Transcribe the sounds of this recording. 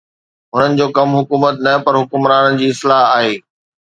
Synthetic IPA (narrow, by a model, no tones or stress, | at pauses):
ɦʊn̤ənɪ̆d͡ʑoːkɐmɦʊkuːmət̪nɐpɐɾɦʊkʊmɾaːnənɪ̆d͡ʑiːɪslaːɦaːɦeː